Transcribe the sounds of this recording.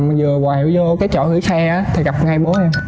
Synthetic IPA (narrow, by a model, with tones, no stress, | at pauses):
m˨zɨ˨˩əwaː˨˩hḭ˨˧˨əwzɔ˧kaː˨˦jt͡ɕɔ̰˧˨hɨ̰˧˩˦sɛ˧ʔaː˨˦t̪ʰi˨˩ɣa˨˩p̚ŋa˧jɓo˨˦haː˧m